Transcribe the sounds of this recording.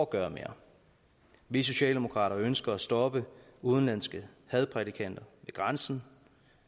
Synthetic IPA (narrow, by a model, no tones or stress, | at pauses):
ɒɡ̥ɶːɐme̝ːɐ̰ | ʋis̬o̝ɕɛ̰ːld̥emo̝kʰʁɑ̰̈ːɾɐønsɡ̥ɐæsd̥ɒ̽b̥əuð̞ˠn̩lænsɡ̥əhɛð̞ˠpʰʁɛdikʰæn̰d̥ɐʋe̝ɡ̥ʁansn̩